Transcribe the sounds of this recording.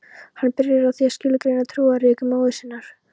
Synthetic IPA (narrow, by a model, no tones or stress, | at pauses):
hanːpɪɾjɪɾawθiḁscɪːlkɾejnat̪ʰɾuːaɾɪkʏmaːwðɪsɪnːaɾ̥